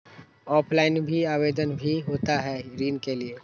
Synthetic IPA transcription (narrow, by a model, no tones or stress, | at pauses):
ɔːpʰlaːɪnbʱiaːʋeːd̪ənbʱiɦoːt̪aɦɛɾiːnkelieː